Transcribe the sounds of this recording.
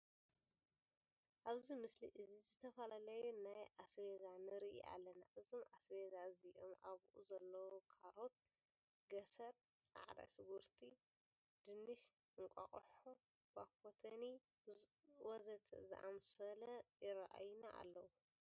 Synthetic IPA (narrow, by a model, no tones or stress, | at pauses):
ʔaβzimɨsliʔɨzizɨt̪ʰɐfɐlalɐjunajʔasβezanɨɾɨʔḭʔa̰lːɐna̰ʔɨzomasβezaziʔo̰mʔaβʔuzɐlːɐwokʰaɾo̞t̪̚ | ɡɐsɐɾ | t͡sʼa̰ʕd̪a̰sɨɡuɾt̪ʰi | d̪̥ɨnːɨʃ | ʔɨŋkʼɐ̰χʼħo | wakʰːot̪ʰɐni | wɔzɐt̪ʰzɨ̰ʔa̰msɐlɐjɪɾaʔa̰jnaʔa̰lːɐwu